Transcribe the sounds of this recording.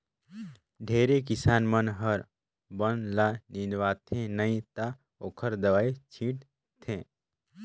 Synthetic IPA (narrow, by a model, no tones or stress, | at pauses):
ɖʱeːɾek̬ɪsaːnmənɦəɾ | bənlanĩnʋaːt̪ʰẽnəĩt̪a | oːkʰəɾd̪əʋaːit͡ʃʰĩʈ | t̪ʰẽː